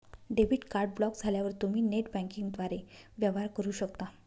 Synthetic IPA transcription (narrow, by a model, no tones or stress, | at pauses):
ɖebiʈkaɾɖ̚blɔkd͡zʱaljaʋəɾt̪umiːneʈbɛ̃ŋkiŋɡd̪ʋaɾeʋjəʋɦaɾkəɾuːɕəkt̪a